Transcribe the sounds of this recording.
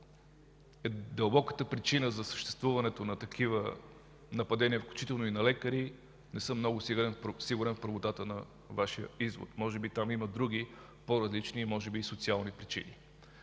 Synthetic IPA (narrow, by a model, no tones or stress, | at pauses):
ɛd̪əlˠbɔkə̥t̪əpɾit͡ʃinəzɐsə̥ʃt̪ɛ̥st̪vuvɐnɛt̪onɐt̪ɐkʰivə | nɐpɐd̪ɛniəfklʲu̥t͡ʃit̪ɛlˠnoinɐlɛkəɾi | nɛsɤmːnɔɡʊsiɡɾɛnsiɡʊɾɛnfpɾəvot̪at̪ənɐ | vaʃiə̰izvo̰t̪mɔʒɛbit̪amiməd̪ɾuɡʲi | poɾɐzlit͡ʃnimɔʒɛbiːsot̪sialˠnipɾit͡ʃḭnḭ